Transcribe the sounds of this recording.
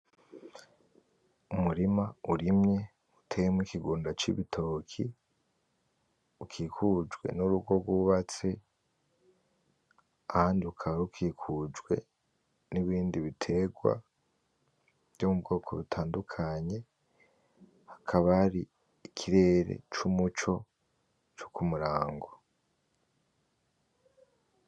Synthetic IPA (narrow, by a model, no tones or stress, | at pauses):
umuɾimauɾimɲe̞ | utʰe̞ːjemikiɡuːndat͡ʃḭβitʰo̞kʰi | ukʰiːkʰud͡ʒɡwe̞̰nuɾubɡo̞ɡwuβat͡se̞ | ahaːndiukʰaβaɾukʰiːkʰud͡ʒwe̞ | niβiːndiβitʰe̞ɡwa̰ | vjomubɡo̞ːkʰo̞βitʰaːndukʰaɲe̞ | hḁkʰaβaaɾiː | kʰiɾe̞ɾe̞̰t͡ʃumut͡ʃo̞ | t͡ʃu̥kumuɾaːŋɡo